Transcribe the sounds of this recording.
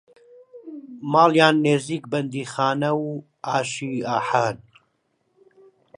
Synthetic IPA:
maːljaːnːeːziːkbɐnd̪iːxaːnɐw | ʔaːʃiːaːħaːn

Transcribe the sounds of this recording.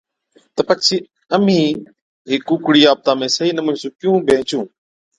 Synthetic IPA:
t̪əpət͡ʃʰiː | əmĩː | ɦɪkːʊkɽiːaːb̚t̪aːmẽːsəɦiːnəmʊnsũːkjũːbʱẽːt͡ʃũː

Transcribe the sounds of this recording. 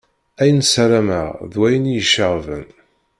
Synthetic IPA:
æjənsæɾæmə̰ʁðwæjənijəʃəʁvə̰n

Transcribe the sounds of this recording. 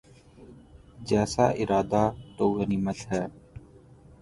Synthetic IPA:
d͡ʒɛːsa̰ːʔɪɾaːd̪aːt̪oːɡəniːmətɦɛː

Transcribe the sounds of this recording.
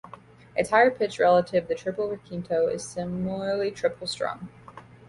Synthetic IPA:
ʔɨtʰaɪə˞pʰɪt͡ʃɹɛlˠəɾɪvðɨtʰɹ̥ɪpl̩ˠɹəkʰĩntʰoʊɪ̰z̥sɪ̃ml̩ˠə˞litʰɹ̥ɪpʰl̩ˠstɹ̥ɔ̰̃ŋ

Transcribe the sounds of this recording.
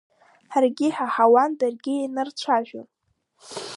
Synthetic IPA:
ħarɡʲɪħaħawandɨrɡʲɪinɨrt͡ɕʷʰaʒᶣo̰n

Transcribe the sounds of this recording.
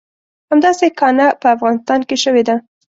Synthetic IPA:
hamd̪ɑsekɑnapəafɣɑnɪst̪ɑnkeʃəwed̪a

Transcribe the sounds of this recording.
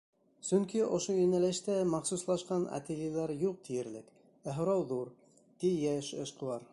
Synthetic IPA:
sɵŋkiʔŏʃoinælæʃt̪æmɑχsuslˠɑʃqɑna̰t̪elʲilˠæɾjuq̚t̪ʰijɘ̆ɾlɘk | æɦŏɾɑwðuɾ | t̪ijæʃɤ̰̆ʃqɤ̆w̪ˠɑɾ

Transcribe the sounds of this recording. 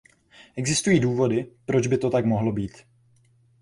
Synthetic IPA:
ʔɛɡzɪst̪ujiːduːvo̞dɪpɾo̞d͡ʒbɪt̪o̞t̪akmo̞ɦlo̞biːt̪

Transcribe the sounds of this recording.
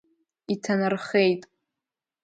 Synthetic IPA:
itʰanɨrχejtʼ

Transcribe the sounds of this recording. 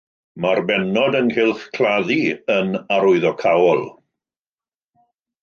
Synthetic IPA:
marbɛnɔdənhɪlˠθkʰl̥ˠaðiənaɾʊɨðɔkʰawɔlˠ

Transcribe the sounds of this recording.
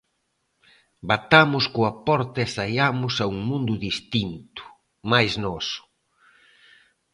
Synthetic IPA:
bat̪amʊskoɐpɔɾt̪ɐɛsaʎamʊsauŋmũnd̪ʊðist̪int̪ʊ̥ | majznɔsʊ̥

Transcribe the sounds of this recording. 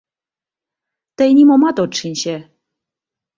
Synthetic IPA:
t̪ə̆jnʲimomɑt̪otʂinʲɕe

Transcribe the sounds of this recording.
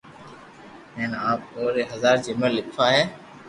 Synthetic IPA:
ɦẽːnaːp̚oːɾeːɦəzaːɾd͡ʒɪməlːɪkʰfaːɦɛː

